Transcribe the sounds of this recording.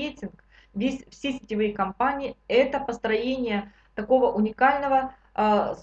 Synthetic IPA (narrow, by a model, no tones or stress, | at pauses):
etʲɪnk | vʲesʲfsʲesʲɪtʲɪvɨjkɐmpanʲɪɪɛt̪əpəst̪ɾɐjenʲɪjə | t̪ɐko̞vəʔʊnʲɪkalʲnəvə | s